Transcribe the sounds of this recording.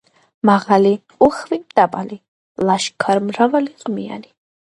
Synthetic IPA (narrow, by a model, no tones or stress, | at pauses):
maʁali | uχvimt̪ʼapʼali | laʃkʰaɾmɾavaliqʼmia̰ni